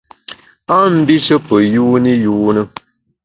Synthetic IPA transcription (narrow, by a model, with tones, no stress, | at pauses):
a˦m̩˦bi˦sə˦pə˨juː˦ni˦juː˦nə˦